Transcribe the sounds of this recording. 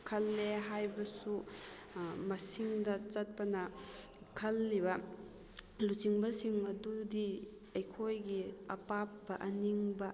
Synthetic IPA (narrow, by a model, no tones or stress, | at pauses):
kʰɐlːeɦajbɐsu | mɐsiŋdɐt͡ʃɐt̚pɐnɐ | kʰɐlːiβɐ | lut͡ʃiŋbɐsiŋɐdudi | ɐjkʰojɡiɐpap̚bɐʔɐniŋbɐ